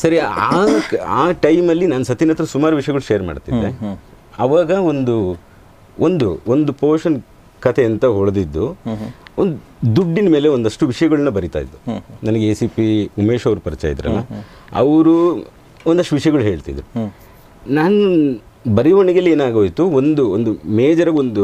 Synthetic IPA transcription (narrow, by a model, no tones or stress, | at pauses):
sɐɾiaːaːʈɐjmɐlːinaːnɐsɐt̪inɐt̪ɾɐsumaːɾuʋiʂɐjɐɡɐɭuʃejɐɾma̰ːɖt̪id̪ːe̞ | ɐʋaːɡɐo̞nd̪u | ond̪uond̪upoːʂɐn | kɐt̪ʰeːnt̪ɐɦɔɭd̪id̪ːu | ond̪u | d̪uɖːinme̞ːle̞ond̪ɐʂʈuʋiʂɐjɐɡɐɭɐnːɐbɐɾit̪a̰ːjḭd̪ːunɐnɐɡeeːsipiumeːʂɐʋɾupɐɾit͡ʃa̰ːjd̪ɾɐ̰lːɐ̰ | ɐ̰ʋɾu | ond̪ɐʂʈuʋiʂɐjɐɡɐɭuɦe̞ːɭt̪ḭd̪ɾu | naːnu | bɐɾiʋɐɳiɡɐlːe̞ːnaːɡoːjt̪uond̪uond̪umeːd͡ʒɐɾɐɡond̪u